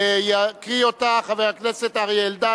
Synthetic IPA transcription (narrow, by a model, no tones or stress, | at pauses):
jakʁiotaːχavejhakneset̪aʁield̪a